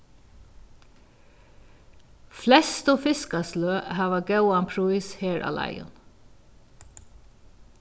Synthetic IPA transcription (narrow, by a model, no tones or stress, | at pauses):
flɛst̪oːfɪskɑsløːhɑːʋɑɡɑʊɑnpʰɹʊiːsheːɹʔɑ̰ːlʔæ̰ɪʊ̰n